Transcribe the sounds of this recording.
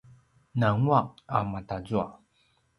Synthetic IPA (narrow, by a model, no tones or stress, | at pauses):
naŋuaʔa̰matazua̰